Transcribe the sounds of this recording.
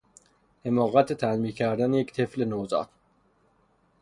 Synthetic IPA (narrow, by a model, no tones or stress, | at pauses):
hemɒːɣæt̪ʰet̪ʰælmiːkʰæɾd̪ænject̪ʰeflenoːzɑ̰ːt̪